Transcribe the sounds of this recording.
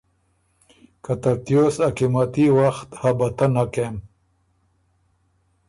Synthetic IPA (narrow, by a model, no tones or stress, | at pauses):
kɐt̪ɐɾt̪josakimat̪iwaxt̪hɐbɐt̪ɐnakem